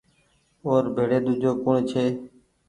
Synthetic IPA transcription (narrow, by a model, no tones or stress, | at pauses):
oːɾbʱeːɽeːd̪uːd͡ʒʱoːkʊɳet͡ʃʰeː